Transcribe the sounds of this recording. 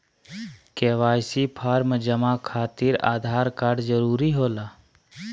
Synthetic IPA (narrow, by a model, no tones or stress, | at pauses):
keːʋaːjsipʰaːɾməd͡ʒəmakʰaːt̪ɪɾa̰ːd̪ʱaːɾkaːɖzəɾuːɾiɦoːlaː